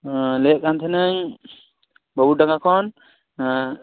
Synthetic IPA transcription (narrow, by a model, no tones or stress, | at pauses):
lɛʔkant̪ʰɛnaɲ | bɔbut̪̚daŋɡakʰɔn